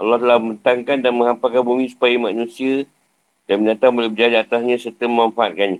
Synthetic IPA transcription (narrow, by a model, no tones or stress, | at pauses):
alɔht̪əlahməmənt̪aŋkandanmə̃ŋɦampakanbumĩsu̥pajamanũsia | danməɲãt̪abolɛbəd͡ʒadaat̪asɲãsət̪əmamfaat̪̚kaɲi